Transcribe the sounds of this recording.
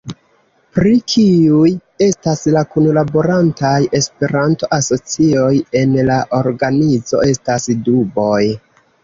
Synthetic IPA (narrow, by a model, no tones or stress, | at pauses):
pɾikʰiuje̞staslakunlabo̞ɾantaje̞spe̞ɾanto̞ʔaso̞t͡sio̞je̞nlaʔo̞ɾɡanizo̞̰e̞stasdubo̞j